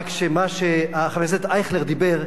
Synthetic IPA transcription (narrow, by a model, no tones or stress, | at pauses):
kʃemaʃeaχavezet̪ajχleʁd̪ibeʁ